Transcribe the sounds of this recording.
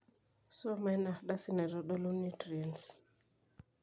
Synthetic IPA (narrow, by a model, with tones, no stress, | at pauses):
sa˦ma˦jna˨ɗa˦si˦nɛ˨ɾɔ˨˦ɗɔ˦lu˦ni˦tɾɛ˨ns